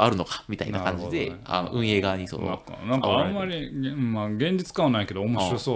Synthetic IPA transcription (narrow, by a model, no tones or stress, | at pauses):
aɾɯ̟no̞kḁmʲit̪ainakãɲ̟d͡ʑid̪eea̰ʔɯ̟̃ɰ̃e̞ːɡaːɲ̟isono̰ka̰nãŋkaãmːaɾʲimːaɡẽ̞ɲ̟d͡ʑit͡sɨ̥kãanaike̞d̪o̞ːmo̞ɕiɾo̞soː